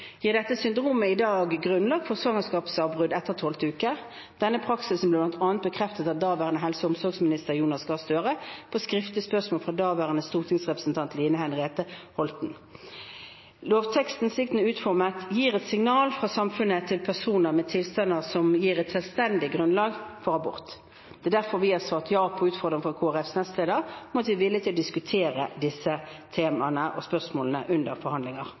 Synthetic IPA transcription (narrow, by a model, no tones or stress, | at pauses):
jiːʁd̪ɛt̪ːəsʏnd̪ʁuːməɪd̪ɑːɡɡʁʉnlɑɡ̪̚fɔʁsʋɑŋəskɑːpsɑbʁʉd̪ɛt̪ːəʁt̪ʰɔlt̪ʉːkə | d̪̥ɛnːəpʰʁɑksɪsn̩blɛːblɑnt̪ʰɑːnt̪̚bəkʰʁɛft̪ət̪ɑt̪̚d̪ɑːʋæːʁənəɦɛlsəʊmsɔʁɡsmɪnɪst̪əʁjuːnɑsɡɑːst̪øːʁəpʰoːskʁɪft̪əspœʁsmoːlfʁɑd̪ɑːʋæːʁənəst̪uːʁt̪ʰɪŋsʁɛpʁəsn̩t̪ʰɑnt̪ʰliːnəhænʁeːt̪əhɔlt̪n̩ | loːʋt̪ʰɛkst̪n̩sɪkt̪n̩ʉːt̪fɔʁmət̪jiːʁɛt̪sɪŋnɑːlfʁɑsɑmfʉnət̪ʰɪlpʰæʁsuːnəʁmɛt̪ʰɪlst̪ɑnːəʁsɔmjiːʁɛt̪sɛlst̪ɛnd̪ɪɡʁʉnlɑːɡfɔʁɑbʊ̰ʁt̪ | d̪̥ɛːd̪æʁfɔɾʋɪːhɑsɑːt̪jɑːpʰɔʉːt̪fɔɾd̪ʁɪŋfɔɑkʰoːæʁɛfsnɛst̪leːd̪əʁmɔt̪ʋɪʋɪljət̪ʰɪlɔd̪ɪskʉt̪ʰeːɾəd̪ɪsət̪ʰeːmɑnəʔɔspœʁsmoːlnəʔʉnd̪əɾfɔɾhɑnd̪lɪŋɑʁ